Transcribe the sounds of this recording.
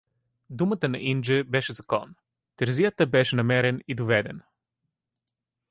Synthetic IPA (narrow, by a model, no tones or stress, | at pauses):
d̪umət̪ənɐʔind͡ʒɛbɛʃɛzɐkɔn | t̪ɛɾzijət̪əbɛʃɛnɐmɛɾɛnid̪ovɛd̪ɛ̰n